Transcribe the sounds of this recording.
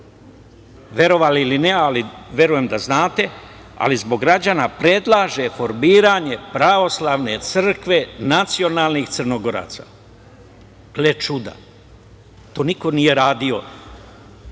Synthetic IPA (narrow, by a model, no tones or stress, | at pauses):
ʋje̞ɾo̞ʋaliilinealiʋje̞ɾuje̞md̪aznaːt̪e̞ | a̰lizbo̞ɡːɾad͡ʑanapɾe̞d̪lˠaːʒe̞fo̞ɾmiːɾaɲe̞pɾaʋo̞slaʋne̞t̪sr̩kʋe̞nat̪sio̞naːlˠnixt̪srnoɡo̞ɾa̰ːt̪sa̰ | ɡlet͡ʃud̪a̰ | t̪o̞ːniko̞nije̞ɾaːd̪io̞